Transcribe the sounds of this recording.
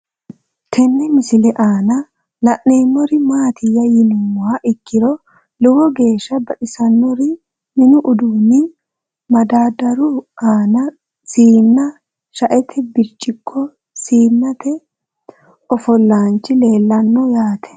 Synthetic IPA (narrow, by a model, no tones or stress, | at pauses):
t̪ʰɛnːɛmɪsɪlɛʔaːnɐ | lɐʔneːmːɔɾɪmaːt̪ʰɪjːɐjɪnʊmwaːʔɪkːɪɾɔ | lʊwɔɡe̞ːʃːɐbɐᶑɪsɐnmɔɾɪ | mɪnʊʔʊd̪uːnɪ | mɐd̪aːd̪ɐɾʊaːnɐ | siːnːɐ | ʃɐʔɛt̪ʰɛbɪɾt͡ʃʼːɪkʰːɔ | siːnːɐt̪ɛ | ɔfɔlːaːnt͡ʃːɪle̞ːlːɐnːɔjaːt̪ʰɛ̥